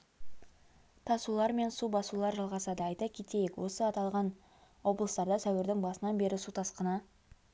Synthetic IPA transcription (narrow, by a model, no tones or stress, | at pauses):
t̪ʰɑsulˠɑɾme̞nsubɑsulˠɑɾʒɑlˠʁɑsɑd̪əɑjt̪əkʲʰet̪e̞jekwo̞səɑt̪ɑlˠʁɑn | wo̞blˠəst̪ɑɾd̪ɑsæwɪɾd̪ɪŋbɑsənɑnbe̞ɾɪsut̪ʰɑsqənɑ